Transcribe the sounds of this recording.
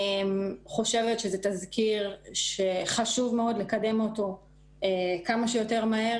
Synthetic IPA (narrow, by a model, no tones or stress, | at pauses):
mχo̞ʃe̞vetʃezetazkiʁʃeχaʃuvmeo̞d̪lekade̞moto̞ | ekamaʃejo̞te̞ʁmahe